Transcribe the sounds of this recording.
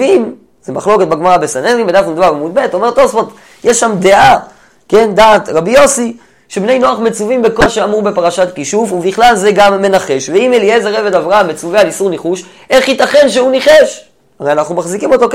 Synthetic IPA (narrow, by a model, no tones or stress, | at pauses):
im | zemaχlo̞ket̚baɡmaʁabesaneimbedafnud̪avaʁamud̪̚bet̪o̞me̞ʁtosfot̪ | jeʃːamd̪e̞ʔa | ke̞ndaːt̪ʁabio̞si | ʃebne̞jno̞aχmet͡suvimbe̞ko̞ʃeamube̞paʁaʃatkiʃuvubiχlalzeɡamːe̞naχe̞ʃveimeliezeʁevedavʁaamːet͡suvealisuʁneχuʃ | ʔe̞χjit̪aχe̞nʃ̬euniχeʃ | aʁejanaχnumaχzikimo̞t̪o̞k